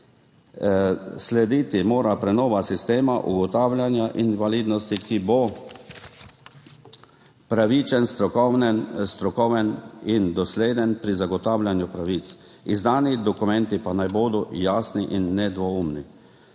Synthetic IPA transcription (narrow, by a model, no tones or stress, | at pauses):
slɛd̪iːt̪imoːɾapɾɛnɔːʋasist̪eːmaʔṵɡɔt̪aːwlʲjanjaʔinʋaliːd̪nɔst̪ikibo | pɾaʋit͡ʃɛnst̪ɾɔkɔnɛnst̪ɾɔkɔwʋɛnind̪ɔsleːd̪ɛnpɾizaɡɔt̪aːwlʲjanjupɾaʋit̪t͡s̪ | izd̪aːnid̪ɔkumɛnt̪ipanajboːd̪ɔjaːsniʔinːɛd̪ʋɔumni